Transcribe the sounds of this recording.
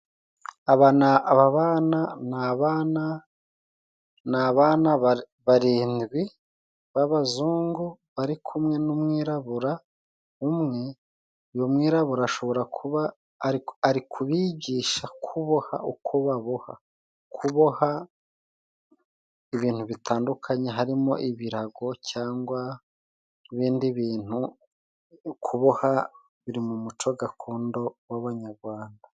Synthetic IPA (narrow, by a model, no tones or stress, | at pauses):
aβanaβaβaːnanaβana | naβaːna | βaɾiːnɡwi | βaβazuːŋɡuβaɾikʰumŋe̞numŋiːɾaβuɾa | umŋe̞ | ujomwiːɾaβuɾaːʃo̞βo̞ɾakuβa | ɾːɾikʰuβiːɟiːʃakʰuβo̞ha̰ukʰoβaβoha̰ | kʰuβo̞ha | iβiːn̥huβitʰaːndukʰaɲe̞ɦaɾimo̞̰ʔiβiɾaɡo̞cʰaːŋɡwa | iβiːndiβiːn̥hu | kʰuβoha | βiɾimumut͡ʃo̞ɡakʰo̞ːndo̞waβaɲaɾɡwaːnda